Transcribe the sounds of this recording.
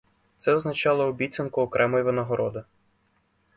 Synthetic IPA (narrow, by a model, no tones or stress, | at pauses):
t̪sɛɔznɐt͡ʃɑlˠɔɔbʲit̪ʲt͡sʲɐnkʊːkɾɛmɔjiʋenɔɦɔɾɔd̪ɪ